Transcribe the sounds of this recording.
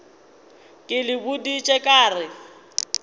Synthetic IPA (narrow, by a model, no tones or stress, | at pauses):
kʼɪlɪbʊdit͡ʃʼɛkʼaːrɪ